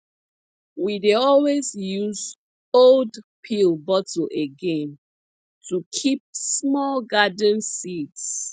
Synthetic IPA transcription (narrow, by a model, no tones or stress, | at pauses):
wideɔlwezjuz | oldpʰilbɔtəʔeɡẽm | tukʰip̚smɔlɡadə̃n̩sids